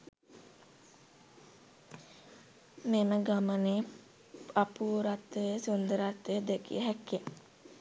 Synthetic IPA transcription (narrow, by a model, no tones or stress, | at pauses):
neməɡaməne | apuːɾat̪ːəjəsund̪əɾat̪ʋəjəd̪ekḭɦɛkːe